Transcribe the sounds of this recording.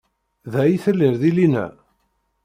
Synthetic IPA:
ðæjiθəlːiɾðilinæ̰

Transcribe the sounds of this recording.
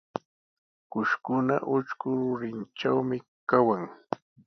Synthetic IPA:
kʊʃkʊna̰ʔʊt͡ʃkʊɾʊɾɪnt͡ʃawmɪ | kawaŋ

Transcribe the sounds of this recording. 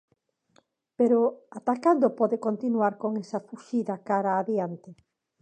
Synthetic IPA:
peɾoat̪akand̪opɔðekont̪inuaɾkoŋesɐfuʃiðakaɾaːðjant̪ɪ

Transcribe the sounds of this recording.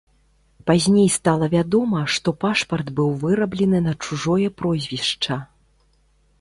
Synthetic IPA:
pazʲnʲejst̪alˠɐvʲad̪ɔmɐʂt̪ɔpaʂpɐrd̪bɨwvɨɾɐblʲɛnɨnɐt͡ʂuʐɔjɛpɾɔzʲvʲiʂt͡ʂɐ

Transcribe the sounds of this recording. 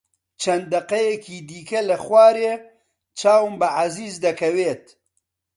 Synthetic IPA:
t͡ʃʰɐnd̪d̪ɐqɐjekʰiːd̪iːkɐlɐxwaːɾe | t͡ʃaːwmbəʕaziːzd̪ɐkʰɐweːt̪

